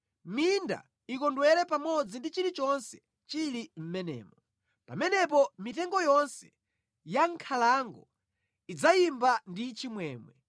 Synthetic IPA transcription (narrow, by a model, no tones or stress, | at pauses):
minda̰ | ikɔndwɛɾɛpamɔd͡zindit͡ʃiɾit͡ʃɔnsɛ̥ | t͡ʃiɾim̩mɛnɛ̰ːmɔ | pa̰mɛnɛp̬ɔmitɛŋɡɔjɔnsɛ̥ | jaŋkʰalaŋɡɔ | id͡zajimbandit͡ʃimwɛːmwɛ